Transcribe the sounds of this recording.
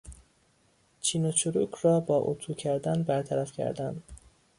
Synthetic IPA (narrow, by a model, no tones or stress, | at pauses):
t͡ʃʰiːnot͡ʃʰoɾuːkʰɾɒːbɒːʔot̪ʰuːcʰæɾd̪ænbæɾt̪ʰæɾæfcʰæ̰ɾd̪ænd̪